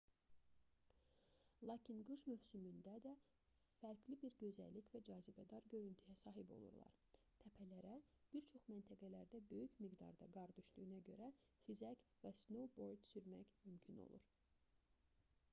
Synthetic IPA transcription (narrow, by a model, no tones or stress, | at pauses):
lˠɑːcʰinɡɯʃmøvsymynd̪æd̪æ | fæɾɡlibiɾɟø̞zæ̰lːicvæd͡ʒɑːzibæd̪ɑɾɟø̞ɾynt̪ʰyjæsɑːɦibo̞̰lˠṵɾlˠɑ̰ɾ | t̪ʰæpʰælæɾæ | b̥iɾt͡ʃʰo̞χmænt̪ʰæɡælæɾd̪æbø̞jycmiɡd̪ɑ̰ɾd̪ɑɡɑɾd̪yʃlynæɟø̞̰ɾæfizæcvæsno̞wbo̞ɾd̪syɾmæ̰çmymcʰino̞̰lˠṵɾ